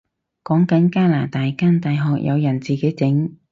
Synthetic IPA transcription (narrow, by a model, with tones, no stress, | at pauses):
kɔː˨˥ŋkɐ˨˥nkaː˥laː˨˩t̪aː˨jkaː˥nt̪aː˨jɦɔː˨k̚jʔɐ̰˨˧wjɐ˨˩nt͡siː˨˩ke˨˥jt͡sɪ˨˥ŋ